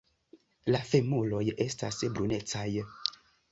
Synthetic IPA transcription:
lafemolojʔestasbɾunet͡saj

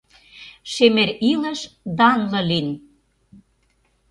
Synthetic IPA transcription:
ʃemeɾilə̆ʃd̪ɑnlɤ̆lin

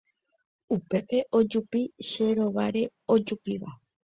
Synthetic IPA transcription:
upe̞pe̞ʔo̞d͡ʒupiʃe̞ɾo̞ʋaɾe̞o̞d͡ʒupiʋa

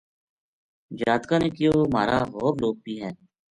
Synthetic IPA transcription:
d͡ʒaːt̪kãːneːkɪjoːma̰ːɾa̰ːɦoːbloːk̚biːɦɛː

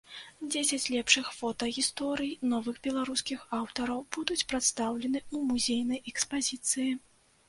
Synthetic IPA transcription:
d͡zʲesʲɐt͡sʲlʲɛpʂɨxfɔt̪ɐɣʲist̪ɔɾɨjnɔvɨɣbʲɛlˠaɾuskʲixawt̪ɐɾɐwb̥ud̪ut͡sʲpɾat̪st̪awlʲɛnɨumuzʲejnɐjɛkspazʲit̪sɨji

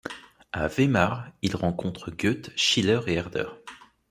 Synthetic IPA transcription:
a̰vemaʁilʁɑ̃kɔ̃t̪χəɡʲøt̪ʃilœʁeɛʁd̪œ̰ʁ

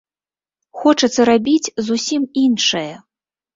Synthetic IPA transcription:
xɔt͡ʂɐt̪sːɐɾabʲit͡sʲzusʲiminʂɐjɐ

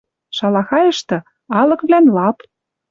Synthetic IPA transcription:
ʃɑlɑxɑjɤ̆ʃt̪ɤ̆ | ɑlɤ̆kβlænlɑp

